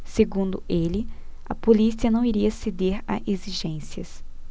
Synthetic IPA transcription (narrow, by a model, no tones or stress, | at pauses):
seɡũnd̪ʊelɪ | ɐ̰polisiɐnɐ̃w̃iɾiɐsed̪eɾa̰ʔeziʒẽsiɐs